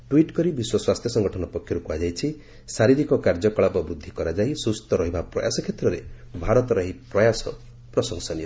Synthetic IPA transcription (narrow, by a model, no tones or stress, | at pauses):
ʈuiʈkɔɾibiswɔswast̪ʰjɔsɔŋɡɔʈʰɔnɔpɔkʰjɔɾukuad͡ʒajt͡ʃʰi | saɾiɾikɔkaɾd͡ʒɔkɔɭapɔbɾud̪ʱːikɔɾad͡ʒajsust̪ɔɾɔɦibapɾɔ̰ja̰sɔkʰjet̪ɾɔɾḛ | bʱaɾɔt̪ɔɾɔɦipɾɔjasɔ | pɾɔsɔŋsɔnijɔ